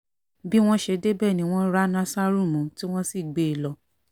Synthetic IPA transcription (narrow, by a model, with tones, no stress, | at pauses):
bi˦w̃ɔ̃˦ʃe˧de˦bɛ˦˨nĩ˨˦w̃ɔ̃˦ɾa˦nã˦sa˦ɾu˦˨mũ˨˦ti˦w̃ɔ̃˦si˦˨ɡ͡be˨lɔ˨˦